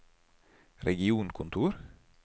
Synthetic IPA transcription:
ɾʔɛɡɪuːnkʰʊnt̪ʰuːɾ

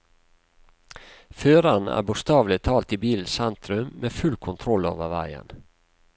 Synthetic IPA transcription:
føːɾɑnæ̰ːbʊst̪ɑːʋlɪt̪ʰɑːlt̪ibiːln̩sɛnt̪ɾʉmmeːfʉlkʰʊnt̪ʰɾɔlːo̰ːʋəʋæ̰ɪə̰n

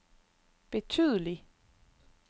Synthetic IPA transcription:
b̥e̝t͡sʰyð̞ˠəli

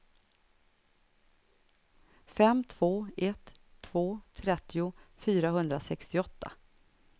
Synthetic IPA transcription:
fɛmːt̪ʰv̥oːɛt̪ʰːv̥oːt̪ʰɾɛt̪ʰːɪʊfyːɾaɦɵnd̪ɾasɛkst̪ɪɔt̪ʰːa̰

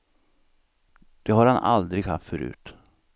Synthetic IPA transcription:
d̪̥ɛhaɾhanʔa̰ld̪ɾɪɡha̰ft̪fœɾʉ̟̰ːt̪

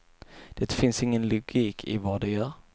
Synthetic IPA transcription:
d̪̥ɛːt̪fɪnsɪŋːənlʊɡiːkʰɪ̰vɑd̪ɛjœːɾ

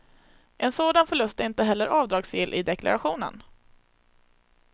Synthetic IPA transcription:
ʔɛnsoːd̪anfœɭɵst̪æɾɪnt̪əɦɛlːəɾʔɑːvd̪ɾɑːɡsɪlʔɪd̪ɛkla̰ɾaɧuːnə̰n

